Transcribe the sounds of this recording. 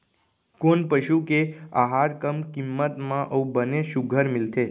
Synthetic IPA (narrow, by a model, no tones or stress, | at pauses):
konpəʃukeaɦaɾkəmkimːət̪mãʔəũbəneʃuɡʱəɾmɪlt̪ʰe